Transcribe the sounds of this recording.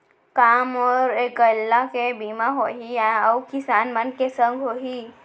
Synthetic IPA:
kamɔɾekəlːakebimaɦoɦĩəwkisanmənkesə̃ŋɡʱoɦi

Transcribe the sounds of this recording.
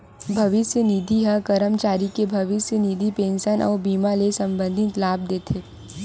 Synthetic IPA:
bʱɐʋɪsjəniːd̪ʱiɦəkɐɾəmt͡ʃaːɾikebʱɐʋɪsjəniːd̪ʱipẽːnʃənʔɔ̰ːɾbiːmalesɐ̃mbə̃nd̪ʱɪt̪laːb̚d̪eːt̪ʰeː

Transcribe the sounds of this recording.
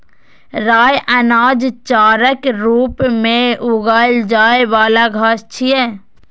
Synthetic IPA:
ɾaːjʔənaːd͡ʒt͡ʃaːɾəkɾuːpmẽʊɡaːld͡ʒaːeʋaːlaɡʱaːst͡ʃʰiɛː

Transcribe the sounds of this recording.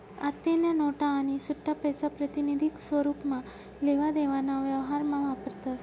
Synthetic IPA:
a̰ɾt̪inənɔʈaːnisʊʈʰːapəjsapɾət̪inid̪ʱiksʋəɾupmã | leʋad̪eʋanaʋjəʋɦaɾmãʋapəɾt̪a

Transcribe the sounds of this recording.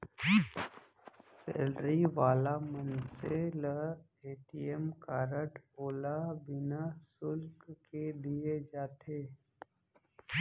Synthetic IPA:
sḛːlɾiʋaːlamənselə | eːʈiəmkaːɾəʈoːlabɪnasʊlkked̪ied͡ʒaːt̪ʰeː

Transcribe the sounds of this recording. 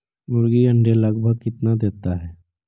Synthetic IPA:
mʊɾɡiə̃ɳɖeləɡbʱəɡkɪt̪nad̪eːt̪aɦɛː

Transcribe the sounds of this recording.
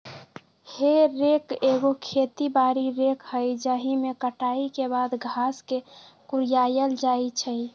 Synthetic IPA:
heɾekeɡokʰet̪ibaɾiɾekhəjd͡ʒəɦimekəʈaikebad̪ɡʱaske | kuɾijajəld͡ʒait͡ʃʰəj

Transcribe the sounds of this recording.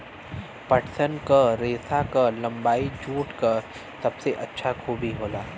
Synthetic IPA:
pɐʈʰsənkaɾeːsakalɐ̃mbaːid͡ʒuːʈkɐɾ | sɐbseʔɐtːʃʰakʰuːbʱiɦoːlaː

